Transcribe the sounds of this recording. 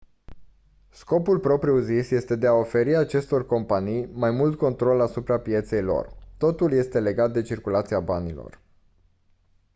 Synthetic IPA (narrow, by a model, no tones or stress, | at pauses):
sko̞pulpɾo̞pɾiuzisje̞st̪e̞d̪e̞ao̞fe̞ɾiat͡ʃe̞st̪o̞rko̞mpanijmajmult̪̚ko̞nt̪ɾo̞lasupɾapje̞t̪se̞jlo̞̰rt̪o̞t̪ulje̞st̪e̞le̞ɡat̪̚d̪e̞t͡ʃirkulat̪siabanilo̞̰r